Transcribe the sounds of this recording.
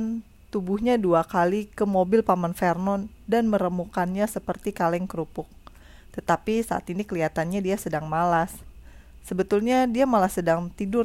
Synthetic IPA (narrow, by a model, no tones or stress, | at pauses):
n | t̪ubuhɲaduakalikəmobɪlpamanfɛrnɔndanməɾəmukanɲasəpərt̪ikalɛŋkəɾupʊk̚ | t̪ət̪apisaʔa̰t̪inikəliat̪anɲadiasədaŋmalasː | əbət̪ʊlɲadiamalahsədaŋt̪idʊr